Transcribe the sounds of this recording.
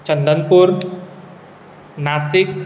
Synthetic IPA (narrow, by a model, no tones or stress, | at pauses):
t͡ɕəndənpur | nasifkʰ